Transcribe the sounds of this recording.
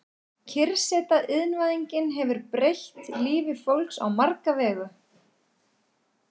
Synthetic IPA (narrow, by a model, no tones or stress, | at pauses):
cʰɪɾsɛːt̪aʔɪðnvaðiɲcɪnɦɛvʏɾpɾejçt̪liːvɪfowlksa̰wmaɾkavɛːɣʏ